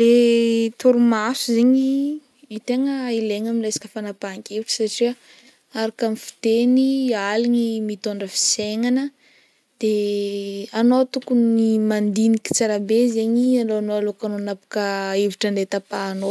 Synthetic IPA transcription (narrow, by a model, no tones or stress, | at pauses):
let̪uɾumasuzeɲi | it̪eŋəileŋamilesḁkəfanapaŋkeviʈ͡ʂə̥saʈ͡ʂiə | aɾakamifi̥t̪enialiɲimit̪oɳɖ͡ʐəfi̥seŋanə | d̪̥e | anot̪ukunnimand̪inikʲi̥t͡saɾabezeɲialoanoalokanonapu̥kəeviʈ͡ʂənet̪apano